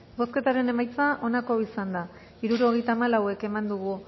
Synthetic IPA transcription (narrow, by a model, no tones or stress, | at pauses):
bo̞ske̞t̪aɾe̞ne̞majt͡saʔo̞nako̞isand̪a | iɾuɾo̞ɣ̞e̞jt̪aːmalawe̞ke̞mand̪uɣ̞u